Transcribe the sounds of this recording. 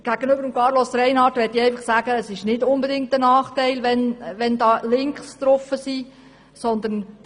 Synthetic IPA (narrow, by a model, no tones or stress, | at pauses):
ɡ̥æɡ̥ənøbəɾəmkɑːɾlɔsɾɛɪnhɑtʋɛtiɛɪfɑχsæːɡ̥əːsɪʃnɪdʊnbedɪŋk̚tənɑːχtæɪlʋɛnʋɛndɑːlɪŋkstɾɔfəsiː | sɔnd̪ən